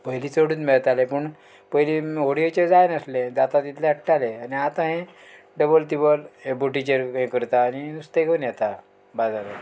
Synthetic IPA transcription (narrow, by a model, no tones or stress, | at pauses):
pəɦliːt͡soɽuːnmeɭt̪alepəɳ | pəɦlimoɽijot͡ɕed͡zajnəslẽd̪at̪at̪it̪ʰleəʈːaleaniat̪ãɦẽ | ɖəbəlt̪ibəlbuʈit͡ɕəɾɦẽkəɾt̪aːninust̪ekənjɛt̪a | bad͡zaɾə